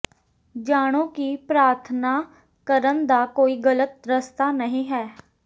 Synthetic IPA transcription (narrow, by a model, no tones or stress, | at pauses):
d͡ʒaːɽ̃õːkipɾaːɾt̪ʰnaː | kəɾənd̪aːkoːiːɡələt̪̚ɾəst̪aːnəɦĩːɦɛː